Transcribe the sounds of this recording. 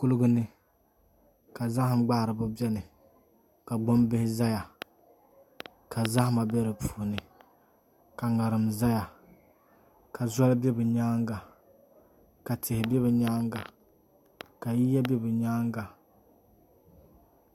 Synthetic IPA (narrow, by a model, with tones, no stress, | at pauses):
kʊ˦lʊ˦ɡʊ˦nɨ˦ | ka˨za˦hɪ˨mɡ͡ba˦hɾɨ˨bʊ˦bɛ˦nɨ˨ | ka˨ɡ͡bo˦mbɪ˦hɪ˦za˦ja˨ | ka˨za˦hma˨bɛ˦ɾɨ˨pʰu̥˨nɨ˨ | ka˨ŋa˨ɾɨ˨mza˦ja˨ | ka˨zɔ˦lbɛ˦bɨ˨ɲaː˦ŋɡa˨ | ka˨tɪ˨hɪ˨bɛ˦bɨ˨ɲaː˦ŋɡa˨ | ka˨ji˦ja˦bɛ˦bɨ˨ɲaː˦ŋɡa˨